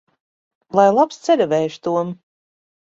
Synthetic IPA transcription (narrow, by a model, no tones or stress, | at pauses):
lˠajlˠapst̪sɛlʲɛvɛjʃt̪uɔm